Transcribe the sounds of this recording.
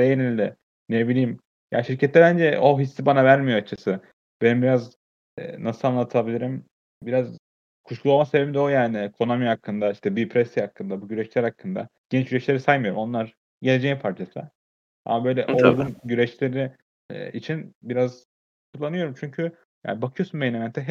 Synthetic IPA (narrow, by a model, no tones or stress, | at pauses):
d̪ejenilʲd̪i | nebilʲiːm | ja̰ːʃiɾcʰɛt̪lːɛbænd͡ʒɛoɦisːibanavæɾmijoat͡ʃʰasɯ | b̥e̞nimbiɾaz | ɛ̰ːnasɯlˠanlˠat̪ʰabilʲiɾim | biɾaz | kʰuʃlˠuomasebebimd̪ɛojaːnɪkʰo̞namihakʰːɯnd̪aiʃt̪ʰɛbipʰɾɛsihakʰːɯnd̪abuɟyɾɛʃlʲæɾhakʰːɯnd̪a̰ɟ̥ɛnt͡ʃɟyɾɛʃlʲe̞ɾisajmɯjo̞ɾumo̞nˠaɾ | ɟelʲed͡ʒɛjpʰaɾt͡ʃʰasɯ | a̰mabø̞jlʲɛ̰ʔʔollɡunɟyɾɛʃlʲeɾḭ | it͡ʃʰinbiɾaz | kʰulˠːanɯjo̞ɾumt͡ʃʰyɲcʰy | ja̰ːnibakʰɯjo̞sunbelʲemɛnt̪ʰɛɦɛ